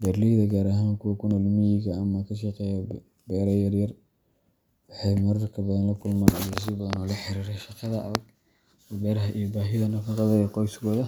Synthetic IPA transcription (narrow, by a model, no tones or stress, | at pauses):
bɐrlɪðɐɡaːɾaɦaːmkʰʊwɐkʰʊnɐlmɪjɪɣɐːmɐkʰɐʃ̬ɑqɛːja | bɛːɾɐjɐrjɐr | wɑħɑjmɐɾɐrkʰɐbɐðɐnlɐkʰʊlmaːnɔlɪs̬ɪbɐðɐnɔːlɐħɪɾiːɾɛjʃɑqɑðɐɐ̰ɐɡ̚ | ɔbɛːɾɐɦɐʔijɔbaːɦɪðɐnɐfɑqɑðɐɛqɔjsɡɔðɐ